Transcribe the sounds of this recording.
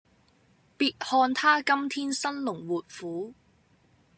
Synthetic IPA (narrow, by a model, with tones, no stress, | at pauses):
piː˧t̚hɔː˧nt̪ʰaː˥kɐ˥mt̪ʰiː˥nsɐ˥nlʊ˨˩ŋwuː˨˩t̚fuː˨˥